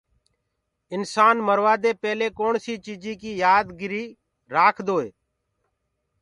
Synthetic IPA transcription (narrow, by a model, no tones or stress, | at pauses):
ɪnsaːnməɾʋaːd̪eːpɛːleːkoːɳsiːt͡ʃiːd͡ʒiːkiːjaːd̪ɡɪɾiː | ɾaːkʰd̪oːḛː